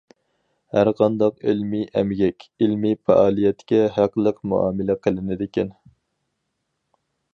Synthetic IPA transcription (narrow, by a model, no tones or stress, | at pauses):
hæɾqʰɑnd̪ɑqɪlmiʔɛmɡʲɛkʲelmipɛ̰ʔɑːlˠijɛt̪kʲɛɦæqlˠəqmṵɑ̰ːmɪlɛqʰəlˠɪnɪd̪ɪkʲʰɛn